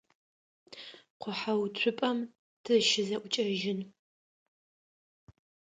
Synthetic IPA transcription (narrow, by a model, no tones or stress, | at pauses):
qʷʰʊħawt͡ɕʷʰʊpʼɐm | tʰɨʃɪzɐʔʷʊt͡ʃʼɐʒɪn